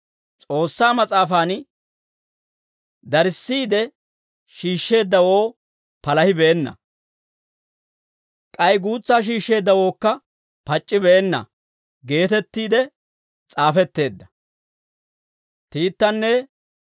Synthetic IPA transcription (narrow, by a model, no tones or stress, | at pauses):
t͡sʼo̞ːsːaːmɐt͡sʼaːfaːn | d̪ɐɾɪsːiːd̪ɛ | ʃiːʃːe̞ːd̪ːɐwo̞ː | pɐlɐhɪbeːnːɐ̰ | kʼɐjɡuːt͡sːaːʃ̬iːʃːe̞ːd̪ːɐwo̞ːkːɐ | pɐt͡ʃʼːɪbeːnːɐ̰ | ɡe̞ːt̪ɛt̪ːiːd̪ɛ | t͡sʼaːfɛt̪ːe̞ːd̪ːɐ̥ | t̪iːt̪ːɐnːɛ